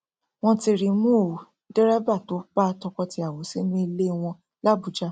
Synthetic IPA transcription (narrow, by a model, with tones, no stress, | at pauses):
w̃ɔ̃˧ti˧ɾi˨m̃ũ˦˨ | dɛ˦ɾɛ˦ba˦˨to˨˦k͡pa˦˧tɔ˧kɔ˧ti˧a˨wo˨˦si˦nũ˦i˧le˦˧w̃ɔ̃˧ | la˦˨bu˨˦d͡ʒa˦